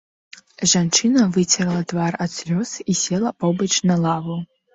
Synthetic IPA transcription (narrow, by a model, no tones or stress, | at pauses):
ʐant͡ʂɨnɐvɨt͡sʰʲɐralˠɐdvarat͡slʲɔsisʲelˠɐpowbɐʈ͡ʂnalˠavɨ